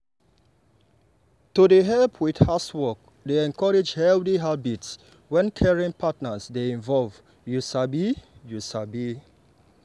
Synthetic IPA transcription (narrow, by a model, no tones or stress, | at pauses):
tudeɦɛlpʰwidhaswɔk̚ | deɛ̃nkʰɔɹed͡ʒhɛldiɦabits | wɛ̃nkʰɛɹĩŋpʰatnəsdeĩnvɔlv | jusabijusabi